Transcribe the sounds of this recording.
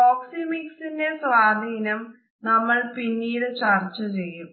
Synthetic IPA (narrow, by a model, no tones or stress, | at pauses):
oːksimiksinde̞sʋaːd̪ʱiːnɐm | nɐmːɐɭpinːiːɾɨt͡ɕaːrt͡ɕːɐt͡ɕe̞jːum